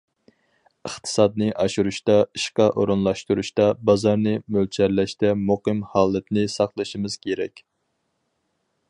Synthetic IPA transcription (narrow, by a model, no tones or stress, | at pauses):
əχt̪ʰɨ̥sɑd̪̚nɨʔɑʃuɾuʃt̪ɑiʃqɑʔoɾunlˠɑʃt̪uɾuʃt̪ɑbɑzɑɾnɨmølt͡ʃʰɛɾlɛʃt̪ɛmoqɨmhɑːlˠːɨt̪ʰnɨsɑqlˠɨʃimɨz̥kʲʰeɾɛkʲ